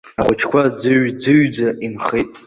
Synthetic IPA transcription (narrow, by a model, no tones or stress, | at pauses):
aʁʷʊt͡ʃʰkʷʰad͡zɨɥd͡zɨɥd͡zaʔinχijtʼ